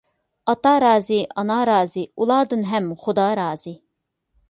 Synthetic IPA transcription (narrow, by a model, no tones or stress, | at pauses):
ɑt̪ɑɾɑːziʔɑnɑɾɑːziulˠɑːd̪ɨnɦɛmχʊd̪ɑɾɑːz̥i